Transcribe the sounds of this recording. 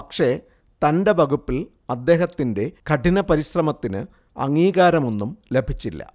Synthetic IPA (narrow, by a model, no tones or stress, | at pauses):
pɐkʂe̞ | t̪ɐndebɐɡupːil | ɐd̪ːe̞ːɦɐt̪ːinde̞kʰɐʈinɐpɐɾiɕrɐmɐt̪ːinɨ | ɐ̰ŋːiːɣaːɾɐmo̞nːumle̞bʱit͡ɕːilːɐ̰